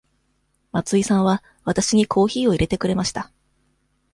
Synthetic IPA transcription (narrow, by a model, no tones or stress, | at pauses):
mat͡sɨisãɰ̃βa | βat̪aɕiɲ̟ikʰo̞ːçiːo̞iɾʔe̞t̪e̞kɯ̟ɾe̞maɕi̥t̪a